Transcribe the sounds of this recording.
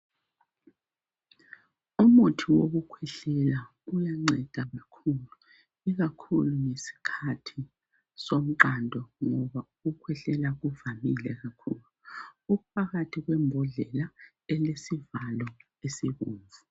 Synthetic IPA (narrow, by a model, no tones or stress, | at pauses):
umutʰiwoɣukʰwɛɬɛla | ujaŋ͡ǀʱɛd̥ʱaɣakʰulu | iɣakʰṵluŋesi̥kʰatʰi | som̩ǃandʱɔŋɔβauɣukʰwɛɬɛlaɣuvamilɛɣakʰuːluuɣupʰaɣatʰiɣwɛmbʱɔɮɛla | ɛlesivalɔ | esiɣuːɱvu